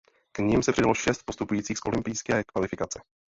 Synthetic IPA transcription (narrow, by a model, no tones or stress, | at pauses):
kɲɪmsɛpr̥ɪdaloʃɛst̪̚po̞st̪upujiːt͡siːxsʔo̞lɪmpɪjskɛːkvalɪfɪkat͡sɛ